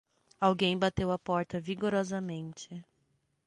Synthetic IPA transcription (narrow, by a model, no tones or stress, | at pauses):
awɡẽj̃bat̪ewɐpɔɾt̪ɐviɡoɾɔzɐmẽnt͡ʃɪ